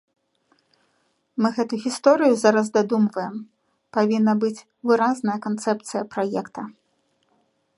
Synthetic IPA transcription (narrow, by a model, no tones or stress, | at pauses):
mɨɣɛt̪uuɣʲist̪ɔɾɨjuzaɾɐzd̪ad̪umvɐjɛm | pavʲinːɐbɨt͡sʲ | vɨɾaznɐjɐkant̪sɛpt̪sɨjɐpɾajɛkt̪ɐ